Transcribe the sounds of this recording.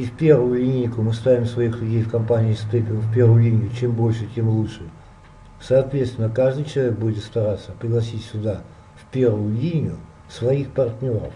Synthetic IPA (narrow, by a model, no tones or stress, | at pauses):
ifʲpʲe̞rvʊjʊlʲinʲɪɪkʊmɨst̪avʲɪmsvɐixlʲʊdʲejfkɐmpanʲɪːsp̪epʲɪfʲpʲervʊjʊlʲinʲɪjʊt͡ɕe̞mbo̞lʲʂɨtʲemlˠutʂɨ | sɐːt̪vʲet̪st̪vʲɪnːəkaʐd̪ɨjt͡ɕɪlˠɐvʲek̚budʲɪt̪st̪ɐɾat̪sːəpɾʲɪɡlˠɐs̬ʲitʲsʲʊd̪a | fʲpʲervʊjʊlʲinʲɪjʊ | svɐixpɐrt̪ʲnʲo̞ɾə̰f